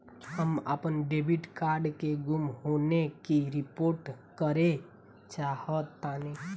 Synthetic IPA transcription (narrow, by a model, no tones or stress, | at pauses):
həmə̰pənɖebiʈkaːɾɖkeɡumɦonekiɾɪpoːɾʈkəɾe | t͡ʃaːhət̪ːani